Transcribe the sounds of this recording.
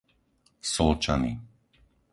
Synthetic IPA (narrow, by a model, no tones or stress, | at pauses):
sɔlt͡ʃanḭ